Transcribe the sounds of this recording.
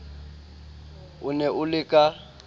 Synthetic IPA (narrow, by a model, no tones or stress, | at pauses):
ʊnɛʔʊlɪkʼa